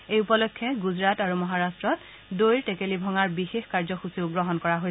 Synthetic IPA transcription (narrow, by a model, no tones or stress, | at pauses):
ejupɔlɔkʰːɛɡuzɹataɹumɔɦaɹastɹɔt | dojɹtekelibʱɔŋaɹbixexkaɹzɔxusiʊɡɹɔɦɔnkɔɹaɦoj